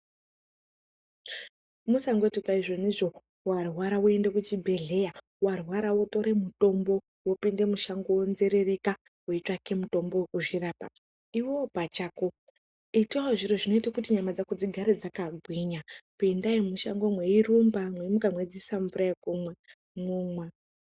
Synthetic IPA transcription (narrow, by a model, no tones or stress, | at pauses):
musaŋɡo̞tikaiʐo̞niʐo̞ | warwaɾawoe̞ndekut͡ʃibʱe̞ɮe̞ja | warwaɾawoto̞ɾe̞muto̞mbo̞ | wo̞pinde̞muʃaŋɡowonze̞ɾe̞re̞ka | woitwake̞muto̞mbo̞kuʐiraːpa̰ | iwopat͡ʃaːko | itwaoʐiɾoʐino̞itakutiɲamad͡zakud͡ziɡʱaɾed͡zakaɡʱwiɲakuendaimuʃa̰ŋɡomweirumbamweimukamwe̞d͡zisaɱvuɾaekumwe | mumwa